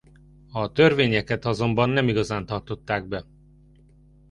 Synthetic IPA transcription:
ɒt̪ø̞rveːɲɛkɛt̪ɒzo̞mbɒnːɛmiɡɒzaːnt̪ɒrt̪ot̪ːaːɡ̚bɛ

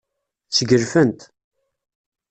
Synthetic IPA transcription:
t͡sːəɡəɾfənt̪

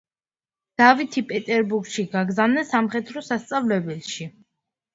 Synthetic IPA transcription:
d̪̥avit̪ʰipʼɛt̪ʼɛɾbuɾɡʃiɡaɡzavnɛsamχɛt̪ʰɾɔsast̪sʼavlɛbɛlʃi

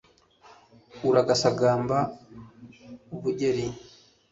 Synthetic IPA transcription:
uɾaɡasaɡaːmba | uβuɟeɾi

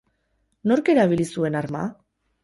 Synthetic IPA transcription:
no̞ɾke̞ɾaβilisue̞naɾma̰

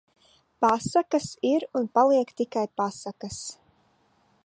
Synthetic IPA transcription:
pasakɐsiɾunpalˠiɛkt̪ikajpasakas

